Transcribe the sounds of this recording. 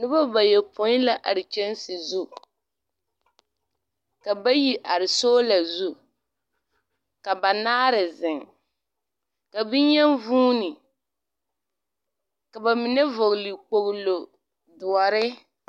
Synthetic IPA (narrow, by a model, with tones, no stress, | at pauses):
nɪ˦ba˦ba˨jɛ˨pʊ˨˦la˦ʔa˨ɾɪ˨t͡ʃɛ˦n˦sɪ˨zu˦ | ka˨ba˦ji˦ʔa˨ɾɪ˨soː˦la˨zu˦ | ka˨ba˨naː˦ɾɪ˨zɪ˨ŋ | ka˨bɪ˦ɲɛ˦nvuː˦nɪ˨ | ka˨ba˨mɪ˨nɛ˦vʊ˨ɣli˨k͡po˨ɣlo˨ | dʊ˨ɔ˨ɾɪ˦